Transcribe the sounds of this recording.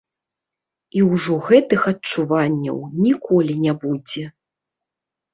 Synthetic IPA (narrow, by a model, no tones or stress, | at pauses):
iwʐɔɣɛt̪ɨxɐtt͡ʂuvanʲːɐ̰wnʲikʰɔlʲinʲabud͡zʲɛ